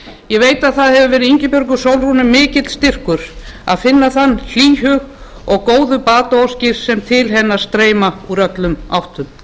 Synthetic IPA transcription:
jɛɣveːjt̪aðθaðhɛvʏvɛːɾʏðiɲcɪpʏɾk̬ʏ̥sowlrunɪmɪːcɪt̪l̥st̪ɪr̥kʏɾ̥a̰ðfɪnːaθanːl̥iːɦʏɣ | ɔɣkoːwðʏpaːt̪aowscɪɾ̥sɛmt̪ʰɪlɦɛnːast̪ɾeːjmauɾœt̪lʏmawht̪ʏm

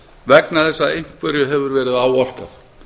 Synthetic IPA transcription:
vɛknaθɛsːaejŋ̥kvʏɾjʏɦɛvʏɾvɛːɾɪðaːwɔl̥kaθ

